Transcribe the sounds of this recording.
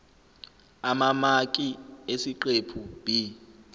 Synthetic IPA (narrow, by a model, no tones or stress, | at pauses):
amamakʼiesiǃepʰub̥i